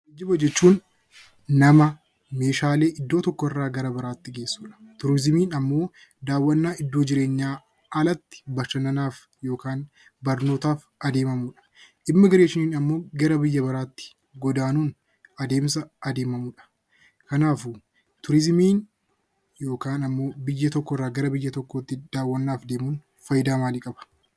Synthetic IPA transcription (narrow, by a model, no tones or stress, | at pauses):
d͡ʒɪbɐd͡ʒɛt͡ʃːuːnː | ɐmɐ | me̞ːʃaːle̞ːʔɪd̪ːo̞ːt̪ɔkːɔɪrːaːɡɐɾɐbɐɾaːt̪ːɪɡe̞ːsːuːᶑɐ̥t̪ʊɾɪzmiːnɐmːo̞ː | d̪aːwːɐnːaːɪd̪ːoːd͡ʒɪɾe̞ːɲːaː | ɐlɐt̪ːɪ̥bɐʃɐnɐnaːf | jo̞ːkaːn | bɐɾno̞ːt̪aːf | ɐd̪eːmɐmuːᶑɐ̥ʔɪmːɐɡɐɾeːʃɪniːnɐmːo̞ːɡɐɾɐbɪjːɐbɐɾaːt̪ːɪ̥ | ɡɔd̪aːnuːn | ɐd̪e̞ːmsɐɐd̪e̞ːmɐmuːᶑɐ̥ | kɐnaːfu | t̪ʊɾɪzmiːn | jo̞ːkaːnɐmːo̞ːbɪjːɐt̪ɔkːɔrːaːɡɐɾɐbɪjːɐt̪ɔkːoːt̪ːɪd̪̥aːwːɐnːaːfd̪e̞ːmuːn | fɐjɪd̪aːmaːlikʼɐbɐ̥